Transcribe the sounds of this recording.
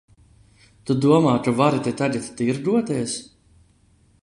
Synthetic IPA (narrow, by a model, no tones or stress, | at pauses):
t̪ud̪uɔmaːt͡ʃuvaɾit̪ʲet̪adit̪t̪iɾɡ̪uɔt̪ɛːs